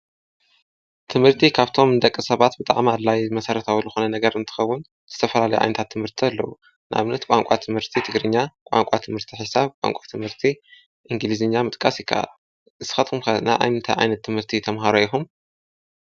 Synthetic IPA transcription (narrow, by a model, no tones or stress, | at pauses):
t̪ʰɨmhɨɾt̪ʰikʰaβt̪ʰo̞mnd̪ɐkʼːisɐβat̪bɨt̪ʼa̰ʕmadlːajmɐsɐɾɐt̪ʰawlɨxonɐnɐɡɐɾɨnt̪ʰɨ̥xɐwʊn | z̥ɨt̪ʰɐfɐlalɐjuʔa̰jnɐt̪ʰat̪ʰːɨmhɨɾt̪ʰialːɐ̰wu | nʔa̰βnɐt̪kʷʼaŋkʷʼat̪ʰɨmhɨɾt̪ʰit̪ʰɨɡɾɨɲːakʷʼa̰ŋkʷʼat̪ʰɨmhɨɾt̪ʰiħɨsaβkʼa̰ŋkʷʼat̪ʰɨmhɨɾt̪ʰi | ʔɨŋɡɨlizɨɲːamɨt̪ʼkʼasjɨkʰːa̰ʔa̰ | ɨsɨxɐt̪kumkɐna̰ʔa̰jt̪ʰajʔa̰jnɐt̪ʰːɨmhɨɾt̪ʰit̪ʰɐmɦaɾoixum